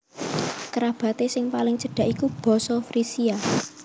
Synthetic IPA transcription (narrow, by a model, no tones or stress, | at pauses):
kɾab̥ä̤t̪esɪŋpalɪŋt͡ʃə̤ɖ̥a̤ʔikub̥ɔ̤sɔfɾisia